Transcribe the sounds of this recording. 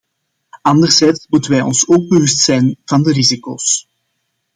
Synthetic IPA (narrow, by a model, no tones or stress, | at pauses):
ɑndərzɛjtsmutənʋɛjɔ̰nsoːɡ̚bəʋʏstsɛjnv̥ɑndəɾiziko̰ːs